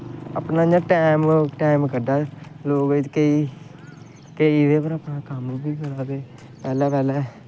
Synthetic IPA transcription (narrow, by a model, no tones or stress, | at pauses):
ə̰pnãːɲãːʈɛːmʈɛːɪmkəɖaːloːɡd͡ʒ̪keiː | keideːpəɾəpnãːkəmːbiːkəɾaːt̪eː | pɛːlɛːpɛːlɛː